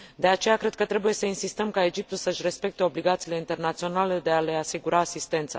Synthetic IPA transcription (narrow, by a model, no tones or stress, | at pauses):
d̪e̞at͡ʃe̞jakɾe̞d̪̚kət̪ɾe̞buje̞səinsist̪əmkae̞d͡ʒip̚t̪ulsəʃʲre̞spe̞k̚t̪e̞o̞bliɡat̪siːle̞int̪e̞rnat̪sio̞nale̞d̪e̞ale̞asiɡuɾʔaːsist̪e̞nt̪sa̰